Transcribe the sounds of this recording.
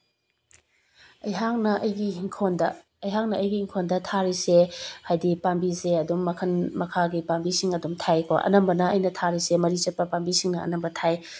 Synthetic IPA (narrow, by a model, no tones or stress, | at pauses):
ɐjɦaŋnɐʔɐjɡiiŋkʰondɐː | jɦaŋ̚nɐɐjɡiːŋkʰondɐtʰaɾisehajdipambiseɐdumːɐkʰɐnmɐkʰaɡipambisiŋɐdumtʰajkʰo̰ʔɐ̰nɐmbɐnɐɐjnɐtʰaɾisemɐɾizɐt̚pɐpambisiŋnɐɐ̰nɐmbɐtʰaj